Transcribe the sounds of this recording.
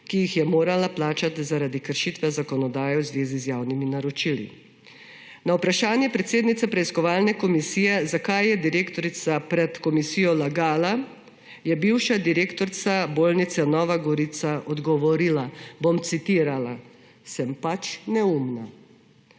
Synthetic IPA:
kijixjɛmoːɾalaplaːt͡ʃat̪zaɾad̪ikəɾʃit̪ʋɛzakɔnɔd̪aːjɛwzʋeːzizjaːwniminaɾɔt͡ʃilḭ | nawpɾaʃaːnjɛpɾɛt̪seːd̪nit̪sapɾɛiskɔʋaːlnɛkɔmisiːjɛzakajːɛd̪iɾeːkt̪ɔɾit̪sapɾɛt̪kɔmisiːjɔlaɡaːla | jɛbiwʃad̪iɾeːkt̪ɔɾt̪saboːlnit̪sanɔːʋaɡɔɾit̪saʔɔd̪ɡɔʋɔɾiːlabomt̪sit̪iːɾala | sɛmpat͡ʃnɛumna

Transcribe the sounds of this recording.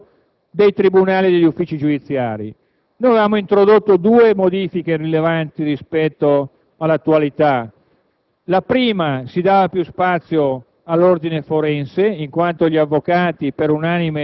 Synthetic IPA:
d̪ejt̪ɾibunaːlid̪eʎːufːiːt͡ʃid͡ʒud̪it̪sːjaːɾḭ | nojavevaːmoint̪ɾod̪ot̪ːod̪uːemod̪iːfikerilevant̪irispɛt̪ːo | alːat̪ːualit̪a | lapɾiːmasid̪aːvapjuspat̪sːjo | alːord̪inefoɾɛnseiŋkwant̪oʎiavːokaːt̪ipeɾunanime

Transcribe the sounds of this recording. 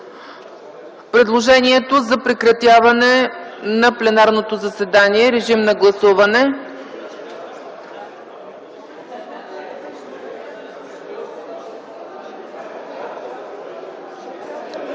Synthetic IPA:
pɾɛd̪lˠoʒɛniɛt̪ozɐpɾɛkɾɐt̪javɐnɛnɐplɛnaɾnot̪ozɐsɛd̪aniɛɾɛʒimnɐɡlˠɐsuvɐnɛ

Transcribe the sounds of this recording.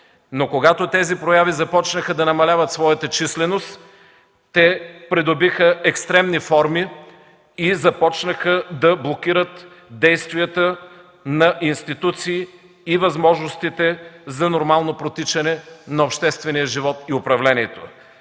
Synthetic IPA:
nokoɡat̪ot̪ɛzipɾojavizɐpɔt͡ʃnəxəd̪ɐnɐmɐlʲavət̪svɔjɐt̪ət͡ʃislɛnost̪ | t̪ːɛpɾɛd̪ʊbixəʔɛkst̪ɾɛmnifɔɾmi | izɐpɔt͡ʃnəxəd̪ɐblˠokiɾət̪ | d̪ɛjst̪viət̪ə | nɐʔinst̪it̪ut̪siː | vɐzmɔʒnost̪it̪ɛzɐnoɾmalˠnopɾot̪it͡ʃɐnɛnɐopʃt̪ɛst̪vɛnijəʒivɔt̪iʊpɾɐvlɛniɛt̪o̰

